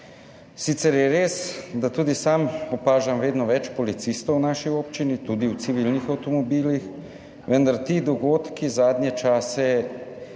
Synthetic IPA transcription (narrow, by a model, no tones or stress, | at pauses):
siːt̪sɛɾjɛɾesd̪at̪uːd̪isaːmɔpaːʒamʋeːd̪nɔʋɛt͡ʃpɔlit̪sist̪ownaːʃioːp̚t͡ʃinit̪uːd̪iwt̪siʋilnixawt̪ɔmɔbiːlix | ʋənd̪aɾt̪id̪ɔɡoːt̪kizaːd̪njɛt͡ʃaːsɛ